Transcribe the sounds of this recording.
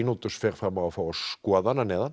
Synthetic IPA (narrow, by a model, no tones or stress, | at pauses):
nut̪ʏ̥sfɛːɾ̥fɾamːavafaːɾaskɔːðananɛːðan